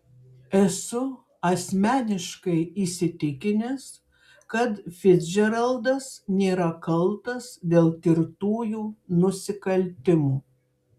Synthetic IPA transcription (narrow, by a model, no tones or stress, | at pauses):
ɛsʊ | ɐsʲmʲæːnʲɪʃkɐɪiːsʲɪt̪ʲɪkʲɪnʲɛs | kɐt̪fʲɪd͡ʒʲɛɾɐlˠd̪ɐsnʲeːɾɐkɐlˠt̪ɐsd̪ʲeːlˠkʲɪɾt̪uːjuːnʊsʲɪkɐlʲt̪ʲɪmuː